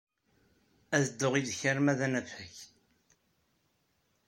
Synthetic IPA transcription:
æðəd̪ːoʁiðçəɾmæðænæfhəç

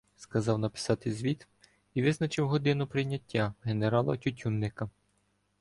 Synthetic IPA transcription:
skɐzɑwnɐpɪ̥sɑt̪ɪzʲʋʲit̪ | iʋɪznɐt͡ʃɪwɦɔd̪ɪnʊpɾɪjnʲːɐtʲːaɦe̞neɾɑlˠɐ̰tʲutʲunːɪkɐ

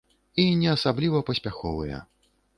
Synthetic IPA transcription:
inʲɛasablʲivɐpɐsʲpʲaxɔ̰vɨjɐ̰

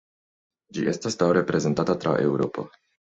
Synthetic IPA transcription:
d͡ʒiʔest̪ast̪awɾepɾezent̪at̪at̪ɾa̰ʔeuɾo̰pa̰

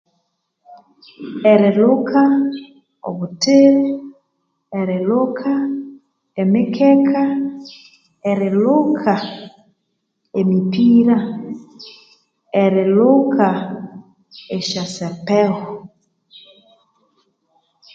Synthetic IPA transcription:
ɛɾelokʰa | o̰βuteɾe | ɛɾelokʰa | ɛmɪkʰɛkʰa | ɛɾelokʰa | emipiɾa | ɛɾelokʰa | ɛʃasɛpɛɣɔ

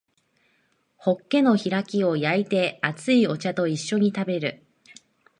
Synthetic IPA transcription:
ho̞kːe̞no̞çiɾakʲio̞jait̪e̞at͡sɨio̞t͡ɕat̪o̞iɕːo̞ɲ̟it̪abe̞ɾɯ̟

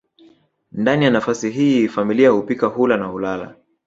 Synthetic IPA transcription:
ndanijanafasiɦifamiliahupikahulanahulala̰

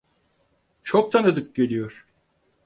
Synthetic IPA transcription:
t͡ʃʰok̚t̪ʰanɯd̪ɯk̚ɟelʲijoɾ̥

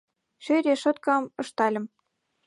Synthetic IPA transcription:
ʃøɾʲeʃɤ̆t̪̚kɑmɤ̆ʃt̪ɑlʲɤ̆m

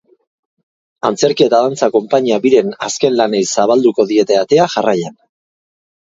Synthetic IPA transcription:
ant͡se̞ɾkie̞t̪aðant͡sako̞mpaɲiaβiɾe̞naske̞nlanejsaβald̪uko̞ðie̞t̪e̞at̪e̞aʝarajan

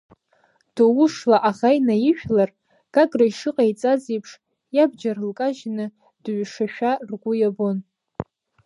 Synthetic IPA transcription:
d̥owʊʂlaʔaʁajnajɪʃᶣlar | ɡ̥aɡʼraiʂɨqʼajt͡sʼazejpʰʂ | jab̚d͡ʒarɨlkʼaʒnɨ | d̥ɥʷʂaʃᶣarɡʷʊjabon

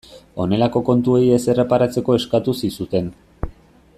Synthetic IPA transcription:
o̞ne̞lako̞ko̞nt̪uo̞ie̞se̞re̞paɾat͡se̞ko̞e̞skat̪usisut̪e̞n

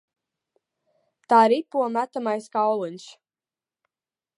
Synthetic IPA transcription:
t̪aːɾipuɔmæt̪amajskawlˠunʲs

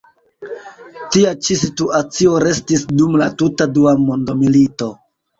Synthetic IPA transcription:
tiat͡ʃisituat͡sio̞ɾe̞stisdumlatutaduamo̞ndo̞milito̞

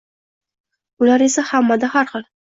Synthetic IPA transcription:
ʊlaɾe̞sahamːad̪ahaɾχɨl

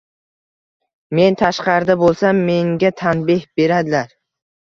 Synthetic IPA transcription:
me̞nt̪ʰaʃqɑɾd̪abolˠsamːe̞ŋɡʲat̪ʰanbɪhbe̞ɾad̪ɪlaɾ

